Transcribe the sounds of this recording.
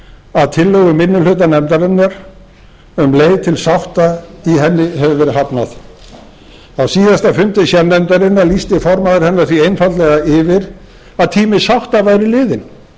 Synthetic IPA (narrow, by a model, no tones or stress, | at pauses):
aðt̪ʰɪlːœɣʏmɪnːʏlʏːt̪anɛmt̪aɾɪnːaɾ | ʏmleːjt̪ʰɪlsawht̪aiɦɛnːɪɦɛvʏvɛːɾɪɦapnað | awsiːðast̪afʏnt̪ɪsjɛnɛmt̪aɾɪnːalist̪ɪfɔɾmaðɪɾ̥hɛnːaɾ̥θviejnfat̪lɛɣaɪvɪɾ | aðt̪ʰiːmɪsawht̪avaːjɾɪlɪːðɪn